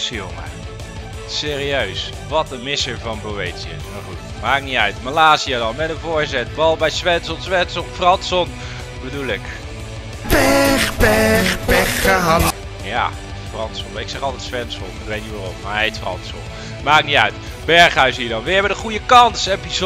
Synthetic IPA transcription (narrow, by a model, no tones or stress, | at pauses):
sio̰ŋə̰ | sɪːriøɥs | ʋɑt̚əmɪsəɹvɑnbowejtsiɪ̰smaɹχutmaːkɪk̚niœɥtmalaːziadɑnmɛtdənvʊːɹzɛt̚bɑlˠbɛjsʋɛnsɔnˠsʋɛnsɔnfrɑnsɔn | bədulɪk | bɛχbɛχbɛχaa | ja̰ː | frɑntsɔnɪksɛχɑlˠtɛtsʋɛnsɔ̰nɪkʋejt̚nitʋaːrɔmːaɹɦejtfrɑ̰nsɔ̰n | maːkɪk̚niœ̰ɥt | bɛɹχaɥsɦiːədɑnʋəɛbədəχujəkɑnsepiz